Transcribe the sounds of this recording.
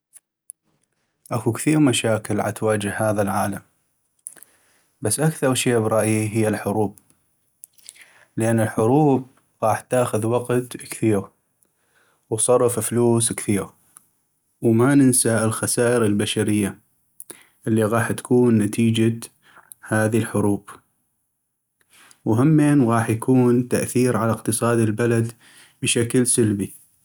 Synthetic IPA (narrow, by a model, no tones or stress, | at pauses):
ʔakukθiːɾmaʃaːkəlʕa̰t̪waːd͡ʒəhːaːðalʕaːlam | basːʔakθɑɾˤʃeːbɾˤɑʔjiɦɪjːalħʊɾuːb̚ | lʔanːəlħʊɾuːb̚ | ɣɑːħt̪ːaːxʊðwɑqt̪kθiːɣ | wtsˤɑrˤːɑffluːskθiːɣ | wmanɪnsaʔɪlxasaːʔəɾɪlbaʃaɾɪjːa | ʔɪlːiɣɑːħt̪ḁkuːnːat̪ʰiːd͡ʒa | haːðilħʊɾuːb̥ | wɦamːeːnɣɑːħjakuːnt̪aʔθiːɾʕalaqt̪ɨsˤɑːd̪ɪlbalad̪ | bɪʃaklsalbi